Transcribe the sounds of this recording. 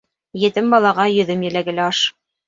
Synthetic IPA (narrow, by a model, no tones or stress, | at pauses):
jɘ̆t̪ɘmbɑlˠɑʁɑjɵ̆ðɘmjɘ̆læɡɘ̆læɑʃ